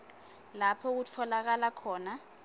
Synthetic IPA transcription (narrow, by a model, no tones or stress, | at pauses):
lapʰɔk̬utʰɔlak̬alakʰɔːna